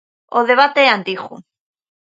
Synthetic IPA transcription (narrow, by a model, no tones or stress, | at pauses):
oðe̞β̞at̪eant̪ixṵ